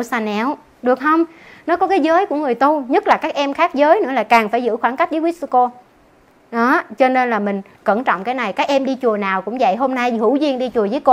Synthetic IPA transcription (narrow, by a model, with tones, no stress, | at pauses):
saː˧nɛ˧˩w | ɗɨ˨˩ək̚hə˧wŋ͡mnɔ˨˦kɔ˨˦kaː˨˦jzəː˨˦jku˧˩əŋɨ˨˩əjt̪u˧ɲə˦˥t̚laː˨˩kaː˦˥k̚ʔɛ˧mxaː˦˥k̚zəː˨˦jnɨ̰˧˥laː˨˩kaː˨˩ŋfaː˧˩jzɨ̰˧˥xwaː˧˩nka˦˥k̚ɗəː˨˦wi˦˥sko˧ | ɗɔ˨˦t͡ɕɔ˧ne˧nlaː˨˩mï˨˩ŋ̟ | kə˧˩nt͡ɕɔ̰˧˨wŋ͡mkaː˨˦jna˨˩jkaː˦˥k̚ʔɛ˧mɗi˧t͡ɕu˨˩ənaː˨˩wkʊ̰˧˥ŋ͡mzə̰˧˨jɦo˧mna˧jhɨ˧˩wzi˧əŋɗi˧t͡ɕu˨˩əzəː˨˦jko˧